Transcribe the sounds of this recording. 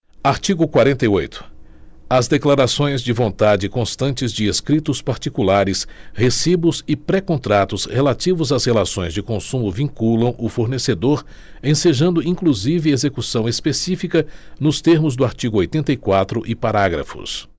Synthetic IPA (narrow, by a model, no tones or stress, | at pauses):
aɾt͡ʃiɡʊkwaɾẽnt̪ɐjojt̪ʰʊ̥ | ɐzd̪eklaɾasõj̃zd͡ʒɪvõnt̪ad͡ʒɪkõst̪ɐ̃nt͡ʃɪzd͡ʒɪeskɾit̪ʊspaɾt͡ʃikulaɾɪshesibʊzɪpɾɛkõnt̪ɾat̪ʊshelat͡ʃivʊzashelasõj̃zd͡ʒɪkõsũmʊvĩŋkulɐ̃w̃ʔʊfoɾnesed̪oɾ | ẽseʒɐ̃nd̪ʊĩkluzivɪezekusɐ̃w̃espesifikɐnʊst̪eɾmʊzd̪ʊaɾt͡ʃiɡʊojt̪ẽnt̪ɐikwat̪ɾʊʔɪpaɾaɡɾɐ̰fʊ̰s